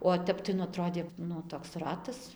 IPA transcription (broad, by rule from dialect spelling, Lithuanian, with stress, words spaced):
oː ˈtʲɛp tɐɪ nʊ ɐˈtroːdʲeː ˈnʊ toːks ˈrɑːtɐs